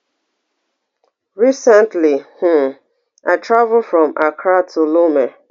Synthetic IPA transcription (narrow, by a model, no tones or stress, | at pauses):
ɹisɛ̃ntlih̩ | atʰɹavl̩ˠfɹɔ̃makʰɹatʰulomɛ